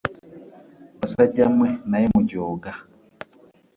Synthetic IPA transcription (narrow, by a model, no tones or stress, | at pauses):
asaɟamwɛnaimuɟɔːɡa